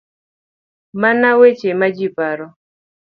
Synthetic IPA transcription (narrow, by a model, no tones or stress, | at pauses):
manawet͡ʃemad͡ʒipaɾɔ